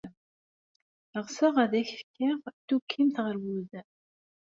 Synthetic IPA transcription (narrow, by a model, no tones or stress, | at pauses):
əʁsəʁæðæçfkːɪʁt̪ukʰːimt̪ʁəɾwuðæ